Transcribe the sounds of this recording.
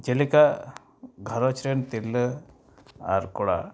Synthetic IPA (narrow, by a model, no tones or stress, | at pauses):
d͡ʒelika | ɡʱaɾɔt͡ʃʰɾent̪ilə | a̰ɾkɔɽa̰